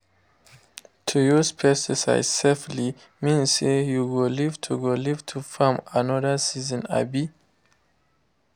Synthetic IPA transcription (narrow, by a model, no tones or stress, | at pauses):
tʰujuzpʰɛstisa̰ɪz̥sefli | mĩnsejuwolivtʰuɡoliv̥tʰufamanɔðəsizə̃na̰bi